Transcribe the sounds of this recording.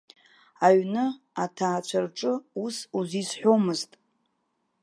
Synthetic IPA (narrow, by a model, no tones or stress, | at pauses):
aɥnɨ | atʰaːt͡ɕʷʰarʈ͡ʂʼɨusuzisħʷᶣomɨztʼ